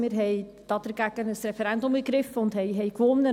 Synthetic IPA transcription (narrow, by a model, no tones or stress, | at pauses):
mɪːɾɦɛɪd̥ɑːd̥̪əɾɡ̥æɡ̥ənəsɾɛfɛɾændʊməɡɾɪfːəʊnd̥hɛɪɦɛjkʋʊnːə